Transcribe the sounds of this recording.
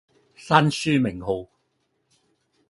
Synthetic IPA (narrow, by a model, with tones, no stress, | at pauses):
saː˥nsyː˥mɪ˨˩ŋɦo˨˧w